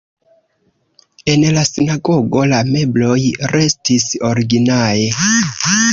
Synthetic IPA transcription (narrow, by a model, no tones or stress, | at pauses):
e̞nlasinaɡo̞ɡo̞lame̞blo̞jɾe̞stiso̞ɾiɡinae̞